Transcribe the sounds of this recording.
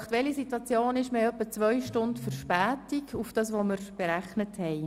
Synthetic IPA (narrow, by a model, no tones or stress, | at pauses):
χt̪ʋɛlisitwɑt͡sjoːnɪʃmeːœpːət͡sʋœʏʃtʊndfəɾʃpæːtiɡufd̥ɑsʋoməɾb̥eɾæχnəthɛj